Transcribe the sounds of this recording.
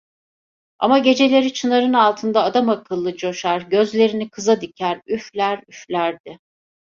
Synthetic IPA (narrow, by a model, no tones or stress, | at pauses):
a̰maɟe̞d͡ʒe̞lʲe̞ɾit͡ʃʰɯnaɾɯnalˠt̪ʰɯnd̪aːd̪amakʰɯlˠːɯd͡ʒo̞ʃaɾɟø̞zlʲe̞ɾinikʰɯzad̪icʰæɾyflʲæɾyflʲæɾd̪̥ɪ